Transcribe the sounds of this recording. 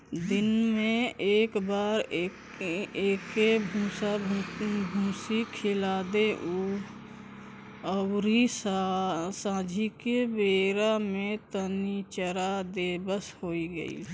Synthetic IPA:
d̪ɪnmẽeːkbaːɾ | eːkebʱũːsa | bʱũːsikʰɪlaːd̪eʔuː | əwɾisasãːd͡ʒʱikebeːɾamẽt̪ənit͡ʃəɾad̪eːbəshoːiɡə̰ḭ

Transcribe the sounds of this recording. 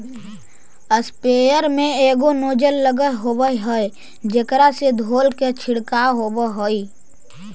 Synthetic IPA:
əspeːjəɾmẽeːɡonoːd͡ʒəlːəɡəɦɦobəɦɦəj | d͡ʒekɾased̪ʱoːlket͡ʃʰɪɽkaɦoːbəɦoi

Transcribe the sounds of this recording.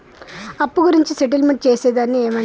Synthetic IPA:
ɐpːuɡuɾiɲt͡ʃiseʈ̬ilmeɳʈ̚t͡ʃe̞ːseːd̪aːnːieːmɐː

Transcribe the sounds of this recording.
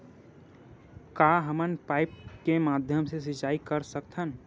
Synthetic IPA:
kaːɦəmənpaːɪp̚kemaːd̪ʱjəmses̬ɪt͡ʃaːikəɾsəkt̪ʰən

